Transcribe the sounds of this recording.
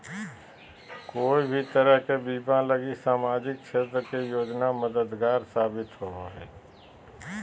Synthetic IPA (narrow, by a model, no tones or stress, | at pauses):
koːibʱit̪əɾəɦkebiːbãləɡisaːmaːd͡ʒɪk̚kʃeːt̪ɾəkejoːd͡ʒnaməd̪əd̪ɡaːɾsaːbɪt̪ɦoɦoɦɛː